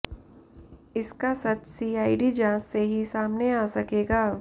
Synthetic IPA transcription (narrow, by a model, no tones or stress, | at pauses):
ɪskasɐt͡ʃsiːaːiɖid͡ʒãːsːeɦisaːmneaːsɐkeːɡaː